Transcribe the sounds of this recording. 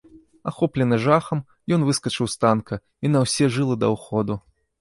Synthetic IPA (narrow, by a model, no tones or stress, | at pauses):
axɔplʲɛnɨʐaxɐm | jɔn̪vɨskɐt͡ʂɨwst̪ankɐ | inɐwsʲɛʐɨlˠɐd̪ɐwxɔd̪u